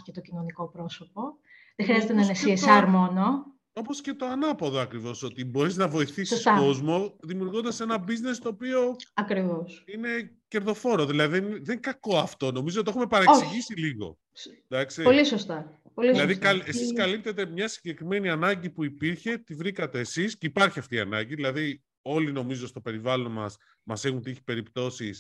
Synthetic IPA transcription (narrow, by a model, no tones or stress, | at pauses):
cet̪ocino̞nikopɾo̞sopo̞ | ðexɾiɐzet̪enɐnesiesɐɾmo̞no | o̞po̞sce̞t̪o̞ɐnɐpoðoɐkɾivo̞so̞t̪ibo̞ɾiznɐvo̞iθisisɐko̞zmo̞ðimiuɾɣond̪ɐse̞nɐbizne̞st̪oːpio̞ɐkɾivo̞sine̞ce̞ɾðo̞fo̞ɾoðilɐðiðenðe̞ŋkɐko̞ɐft̪o̞no̞mizot̪e̞xume̞pɐɾɐeoksiʝisiliɣo̞̰ | d̪ɐksepolisost̪ɐ | poliilɐðikɐlessiskɐlip̚t̪e̞t̪e̞mɲɐsiɲɟe̞kɾime̞niɐnɐɲɟipuipiɾçe̞t̪ivɾikɐt̪e̞ːsisceipɐɾçiɐft̪iɐ̰nɐ̰ɲɟiðilɐði | o̞lino̞mizo̞st̪o̞pe̞ɾivɐlo̞nmɐs | mɐse̞xunt̪içi̥pe̞ɾipt̪o̞sis